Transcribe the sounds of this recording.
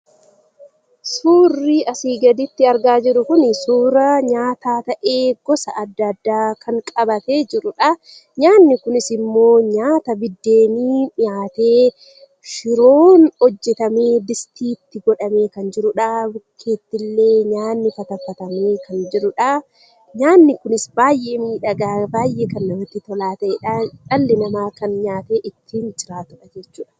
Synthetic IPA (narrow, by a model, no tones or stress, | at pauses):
suːrːiːʔɐsiːɡɐd̪ɪt̪ːɪɐɾɡaːd͡ʒɪɾʊkʊnɪsuːɾɐɲaːt̪aːt̪ɐʔeːɡ̥ɔsɐʔɐd̪ːɐd̪ːaːkʰɐŋkʼɐbɐt̪e̞ːd͡ʒɪɾʊᶑɐ | ɲaːnːɪkʊnɪsɪmːo̞ːɲaːt̪ɐbɪd̪ːe̞ːniːnɪjaːt̪e̞ː | ʃɪɾoːnhɔd͡ʒːɛt̪ɐme̞ːd̪ɪst̪ʰiːt̪ːɪɡɔᶑɐme̞ːkɐnd͡ʒɪɾʊᶑaːbkʰe̞ːt̪ːɪlːe̞ːɲaːnːɪfɐt̪ɐfːɐt̪ɐme̞ːkɐnd͡ʒɪɾʊᶑa | ɲaːnːɪkʊnɪsbaːjʔe̞ːmiːᶑɐɡaːbaːjʔeːkɐnːɐmɐt̪ːɪt̪ɔlaːt̪ɐʔɛᶑaᶑɐlːɪnɐmaːkɐnɲaːt̪e̞ːʔɪt̪ːiːnd͡ʒɪɾaːt̪ʊᶑɐd͡ʒɛt͡ʃːuːᶑɐ̥